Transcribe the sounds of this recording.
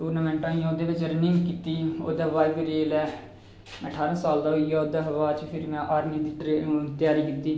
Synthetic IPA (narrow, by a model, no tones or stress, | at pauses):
ʈuːɾnəmɛ̃ːɳʈãːĩːoːd̪eːʋɪt͡ʃɾenɪ̃ŋɡkiːt̪iːo̰ːd̪aːʋaːiːbiːɾeːlɛː | əʈʰaːɾãːsaːld̪aːɦoiːaːoːd̪aːɦəʋaːt͡ʃpʰɪɾmɛ̃ːʔaːɾmiːd̪iːʈɾet̪jaːɾiːkiːt̪iː